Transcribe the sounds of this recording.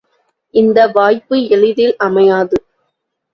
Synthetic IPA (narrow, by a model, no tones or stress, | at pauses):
ʔɪnd̪ɐʋaːjpɯɛɻɯðɪlɐmɐjaːðɯ